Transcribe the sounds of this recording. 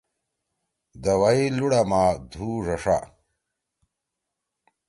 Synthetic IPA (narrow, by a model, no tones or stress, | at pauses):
d̪ɐwɐiluɽɐmaːd̪ʱuːʐɐʂa̰